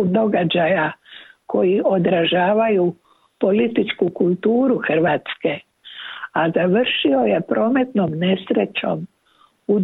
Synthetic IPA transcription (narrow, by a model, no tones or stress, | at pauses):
md̪o̞ɡad͡ʒajakʰo̞jiʔo̞d̪ɾaʒaːʋaju | po̞lit̪it͡ʃkukulˠt̪uːɾuxr̩ʋaːt̪ske̞ | azaʋrʃio̞je̞pɾo̞ːme̞t̪no̞mnesɾe̞t͡ʃo̞̰m | u